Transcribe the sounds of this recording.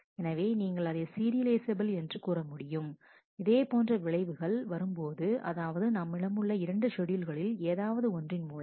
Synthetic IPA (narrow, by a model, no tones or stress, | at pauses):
ɛnɐʋeːniːŋɡɐɭɐðɐjɐsiːɾɪlɐɪsɐbɪlɛndrɯkuːrɐmʊɽɪjɯm | ɪðeːpoːndrɐʋɪɭɐɪʋɯɣɐɭʋɐɾɯmpoːðɯʔɐ̰ðaːʋɐðɯnɐmːɪɽɐmɯɭːɐɪɾɐɳɖɯʂɔɽɪjɪlɣɐɭɪleːðaːʋɐðɯɔndrɪnmuːɭɐ